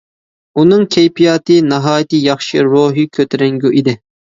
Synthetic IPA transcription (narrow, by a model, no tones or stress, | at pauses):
unɨŋkʲʰejpʰijɑːt̪ʰɨnɨɦɑːjt̪ɨjɑχʃiɾoːɦikʲʰøt̪ʰɪɾɛŋɡʲuʔid̪ɪ